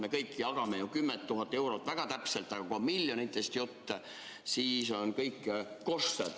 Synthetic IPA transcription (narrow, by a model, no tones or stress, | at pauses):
me̞kɤjkːiɑɡ̥ɑmejukymːet̪ːuɦɑt̪ːˑe̞wɾo̞t̪ˑvæɡ̥ɑt̪æpselt̪ːˑɑɡ̥ɑkomiljo̞nit̪ˑːest̪jot̪ːɑ | siːso̞nkɤjkː | ko̞st̪ed̪